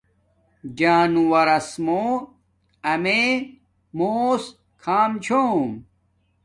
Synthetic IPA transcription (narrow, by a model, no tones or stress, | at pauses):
d͡ʑaːnuwɐɾɐsmoː | ɐme | moːs | kʰaːmt͡ɕʰoːm